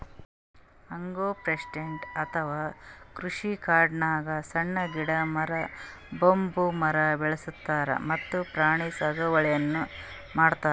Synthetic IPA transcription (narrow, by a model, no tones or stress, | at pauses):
ɐŋɡoːpɾesiɖeɳʈɐt̪ʰɐʋaːkɾuʂikaːɾɖnaːɡɐsɐɳːɐɡiɽɐmɐɾɐbombumɐɾɐbɛɭɐsut̪ːaːɾɐ̰mɐt̪ːupɾaːɳisɐɡɐʋɐɭɐjɐnːu | maːɽt̪aːɾ